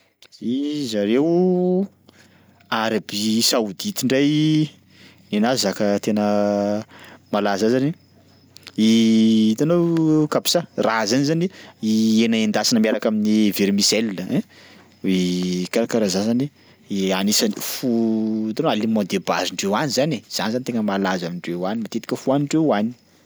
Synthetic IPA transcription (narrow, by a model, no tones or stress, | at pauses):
izaɾew | aɾabisaud̪it̪iɳɖ͡ʐaj | enazakət̪enə | malazazani | it̪anowkapi̥sarazanizaniienaend̪asanəmiaɾakaminiveɾimisɛlːəɛ̃ | ekaɾakaɾazazani | anisanifut̪anoalimɔnd̪eba̰ziɳɖ͡ʐewanizanez̥anzanit̪eŋəmalazamiɳɖ͡ʐewanimat̪et̪i̥kʲəfuaniɳɖ͡ʐeani̥